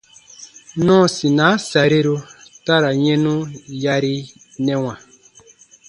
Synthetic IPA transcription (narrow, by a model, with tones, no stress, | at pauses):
nɔ̃˦sĩ˨nãː˨˦sa˨ɾe˦ɾo˧ta˦ɾa˨ɲɛ̃˦nũ˦ja˧ɾi˧ | nɛ̃˦w̃ã˨